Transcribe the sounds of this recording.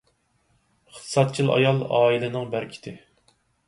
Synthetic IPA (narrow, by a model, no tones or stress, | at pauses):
χt̪ʰɨ̥sɑt̪̚t͡ʃʰilˠɑ̰jɑlˠɑːilɪnɨŋbæɾkʲʰi̥t̪ʰɪ